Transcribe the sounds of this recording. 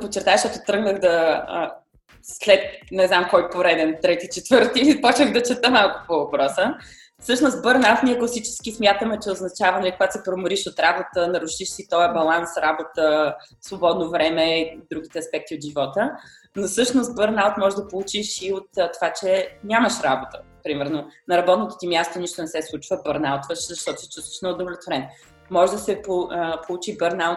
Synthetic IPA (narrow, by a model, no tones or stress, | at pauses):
pott͡ʃːɛɾt̪aəʃat̪ot̪ɾɤɡnəɣd̪ɐə | slɛt̪nɛznamkɔjpoɾɛd̪ɛnt̪ɾɛt̪it͡ʃɛt̪vɤɾt̪iːlipɔt͡ʃvəɣd̪ɐt͡ʃɛt̪əmalˠkʊ̥povɐpɾɔsə | fsɤʃnost̪bəɾnalˠt̪niɛklˠɐsit͡ʃɛ̥sk̟ismʲjat̪əmɛt͡ʃɛoznɐt͡ʃavɐnɐlikoɡat̪sɛpɾomʊɾiʃot̪ɾabot̪ənɐɾuʃiʃsit̪ɔjɐbɐlˠansɾabot̪əsvobɔd̪novɾɛmɛid̪ɾuɡʲit̪ɛɐspɛk̚t̪iot̪ʒivɔt̪ə | nosɤʃnost̪̚bəɾnalˠt̪mɔʒd̪ɐpolˠut͡ʃiʃiot̪t̪ːovat͡ʃɛnʲaməʃɾa̰bot̪ə̥ | pɾimɛɾnonɐɾɐbɔt̪not̪o̥t̪ʲimʲjast̪oniʃt̪onɛsɛslˠut͡ʃvəbəɾnalˠt̪vəʃzɐʃt̪ɔt̪ʊsɛ̥t͡ʃu̥st̪ə̥ʃnɛod̪ovlʲɛt̪voɾɛn | mɔʒd̪ɐsɛpopolˠut͡ʃibəɾnalˠt̪